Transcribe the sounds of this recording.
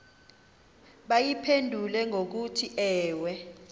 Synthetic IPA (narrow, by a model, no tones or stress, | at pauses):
ɓajipʰendʱulɛŋʱok̬utʰiʔɛːwɛ